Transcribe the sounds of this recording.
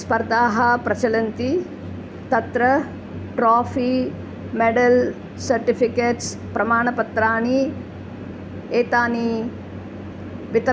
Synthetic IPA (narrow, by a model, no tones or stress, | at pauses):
spɐɾd̪aːɦɐpɾɐt͡ʃɐlɐnt̪i | t̪ɐt̪ɾɐ | ʈɾaːfʰi | meɖɐl | sɐɾʈipʰikeːʈs | pɾɐmaːɳɐpɐt̪ɾaːɳi | eːt̪aːni | ʋit̪ɐ